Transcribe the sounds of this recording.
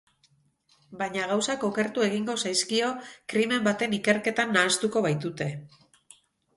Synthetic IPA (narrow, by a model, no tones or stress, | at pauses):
baɲaɣ̞awsako̞ke̞ɾt̪ue̞ɣ̞iŋɡo̞sajskio̞kɾime̞mbat̪e̞nike̞ɾke̞t̪anːaːst̪uko̞βajt̪ut̪e̞